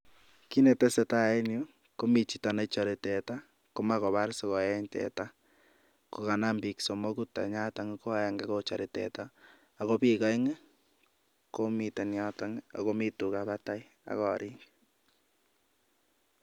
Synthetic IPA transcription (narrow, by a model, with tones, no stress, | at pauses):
ki˦ne˨tɛ˦se˨ta˦˨e˦njo˦ | ko˦mi˨t͡ʃi˨ta˨na˨t͡ʃɔ˨ɾe˨tɛ˨ta˦ | ko˦ma˦kɔ˨βa˦ɾsɔ˨ɣɔ˨jɛ˦ɲtɛ̰˨ta˦ | ko˨ka˨na˦mbi˨kso˨mo˦ku˦ta̰˨ɲa˦ta˨ŋe˦ko˦˨˦ja˨ŋɡa˦ko˦t͡ʃa˨ɾe˨tɛ̰˨ta˦ | a˨ɣo˦pi˦ka˦ŋe˦ | ko˦mi˨te˨nja˦ta˨ŋa̰˨ko˦mi˦tu˨ka˨βa˦ta˦i˦ | a̰˨ɣɔ̰˨ɾi˦ŋɡ